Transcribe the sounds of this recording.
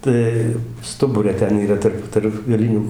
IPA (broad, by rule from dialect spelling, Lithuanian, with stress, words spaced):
ˈtɐɪ ˈstʊbʊrʲɛ ˈtʲɛn iːˈrɐ ˈtɐrp tɐrp ɡɐˈlʲɪnʲuː